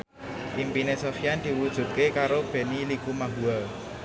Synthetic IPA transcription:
ʔimpinesofijand̪̥i̤wud̥ʒ̥ṳt̪̚kekaɾob̥e̤nilikumaɦual

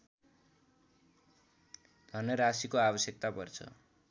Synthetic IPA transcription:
d̪ʱʌnʌɾasikoabʌsjek̚t̪apʌrt͡sʰʌ̰

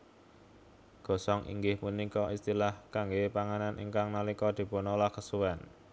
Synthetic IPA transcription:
ɡ̥ɔ̤sɔŋʔḭŋɡɪhmunikɔʔist̪ilahkaŋɡepaŋananʔḭŋkaŋnalikɔd̪̥i̤ponɔlahkəsuwɛn

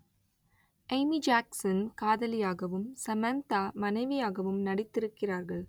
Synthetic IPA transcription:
ɐɪmid͡ʒaːksɐnkaːðɐlɪjaːɣɐʋɯmsɐmɐnt̪aːmɐnɐɪʋɪjaːɣɐʋɯmnɐɽɪt̪ːɪɾɯkːɪraːɾɣɐɭ

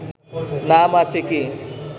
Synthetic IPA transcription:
namat͡ʃʰeki

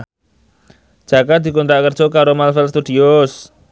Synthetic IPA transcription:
d͡ʒ̥a̤kad̪̥i̤kɔnt̪ɾaʔkərd̥ʒ̥ɔ̤kaɾomalfɛlst̪ud̪ios

